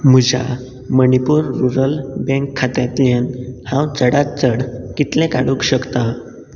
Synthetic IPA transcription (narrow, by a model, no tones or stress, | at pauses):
m̤ud͡ʑʱa̰ | mənipuːɾːuɾəlbɛ̃ŋkʰːat̪at̪jenhãwt͡səɽat̪̚t͡səɽkit̪lɛ̃kaɽukɕəkt̪a